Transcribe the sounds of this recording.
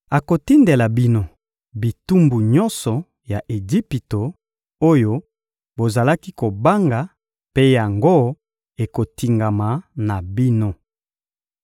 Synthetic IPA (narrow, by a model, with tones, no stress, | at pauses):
a˨ko˨ti˦nde˨la˨bi˦no˦ | bi˨tu˦mbu˨ɲɔ˦nsɔ˨ | ja˨ʔe˨zi˦pi˨to˨ | o˦jo˦ | bo˨za˨la˦ki˦ko˨ba˦ŋɡa˨ | pe˦ja˨ŋɡo˦ | e˨ko˨ti˨ŋɡa˨ma˨˦na˨bi˦no˦